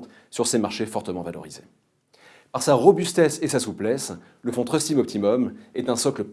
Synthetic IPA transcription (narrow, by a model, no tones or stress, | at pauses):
t̪ | syʁsemaʁʃefɔʁt̪əmɑ̃valɔ̰ʁizḛ | paʁsaʁɔbyst̪ɛsesasuplɛs | ləfɔ̃t̪χɔst̪imɔp̚t̪ʰimɔmɛt̪ɛ̃sɔklə